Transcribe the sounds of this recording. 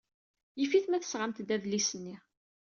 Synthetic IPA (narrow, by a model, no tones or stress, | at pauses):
jifiθmæθə̥sʁamt̪d̪æðlisənːi